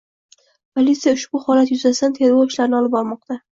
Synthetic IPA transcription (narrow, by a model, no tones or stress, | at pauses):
pʰolʲit̪sijaʊʃbʊhɒlat̪jʊzasd̪ant̪ʰe̞ɾɡoɪʃlaɾnɪɒlɪp̚bɒɾmɒq̚t̪a